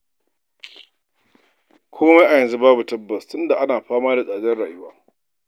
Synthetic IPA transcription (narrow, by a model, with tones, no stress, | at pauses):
kʷʰoː˦ma˦ʔa˨jɐ˨nzu˦baː˦bu˨tɐ˦bːɐ˨stʊ˦nda˨ʔa˦naː˨ɸaː˦maː˦da˨sʼaː˨dɐ˦nɽaː˨jʊ˦waː˦